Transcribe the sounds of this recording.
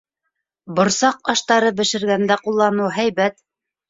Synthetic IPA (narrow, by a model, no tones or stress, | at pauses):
bŏɾsɑqɑʃt̪ɑɾɤbɘ̆ʃɘ̆ɾɡænd̪æqulˠːɑnɤwɦæjβæt̪